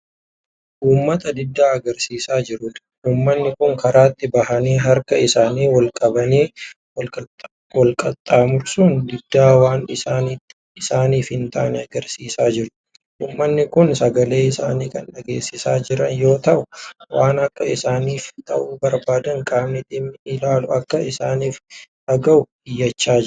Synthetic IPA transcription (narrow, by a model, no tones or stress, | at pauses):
ʔuːmːɐt̪ɐd̪ɪd̪ːaːɐɡɐɾsiːsaːd͡ʒɪɾʊᶑ̪̥ | ʔuːmːɐnːɪkʊŋkɐɾaːt̪ːɪbɐɦɐneːɦɐɾkɐɪsaːniːwɐlkʼɐbɐneː | wɔlkʼɐt̪ʼːaːmʊɾsuːnd̪ɪd̪ːaːwaːnɪsaːnit̪ː | ɪsaːniːfhɪnt̪aʔɐnɛɐɡɐɾsiːsaːd͡ʒɪɾʊ̥ | ʔuːmːɐnːɪkʊnsɐɡɐleːɪsaːniːkɐnɗɐɡeːsːɪsaːd͡ʒɪɾɐnjo̞ːt̪ɐʔʊwaːnɐkːɐɪsaːniːft̪ʰɐ̰ʔuːbɐɾbaːd̪ɐŋkʼaːmnɪt̪ʼːɪmːɪɪlaːlʊɐkːɐɪsaːniːfᶑɐɡɐʊbɪjːɐt͡ʃːaːd͡ʒ